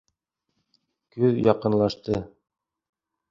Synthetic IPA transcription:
kʉðjɑqɤ̆nlˠɑʃt̪ɤ

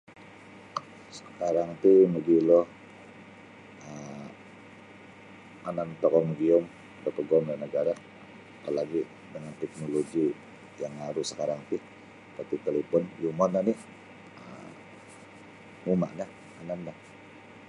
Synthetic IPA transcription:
sə̥kaɾaŋt̪uməɡilɔ | ə | anant̪ɔkɔməɡiʊm | dəpəɡɔmlanəɡaɾa | talaɡi | dəŋant̪ɛk̚noloɡi | jaŋaɾusəkaɾaŋt̪ɪ | pət̪it̪elepɔnjumɔnːanɪ | ə | muma̰ʔna | ananːah

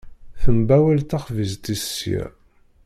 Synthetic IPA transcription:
θəmbæwælt̪æχvizt̪isjæ̰

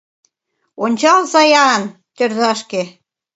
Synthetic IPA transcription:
onʲt͡ɕɑlzɑjɑn | t̪ørzɑʃke

